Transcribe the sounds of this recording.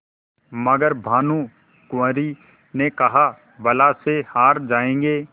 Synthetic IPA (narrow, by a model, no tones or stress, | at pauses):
mɐɡəɾbʱaːnũ | kʊə̃ɾi | nekɐɦa | bɐlasehaːɾd͡ʒaːẽːŋɡeː